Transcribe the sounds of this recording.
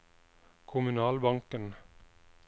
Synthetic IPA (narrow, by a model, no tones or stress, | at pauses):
kʰʊmʉnɑːlbɑŋkən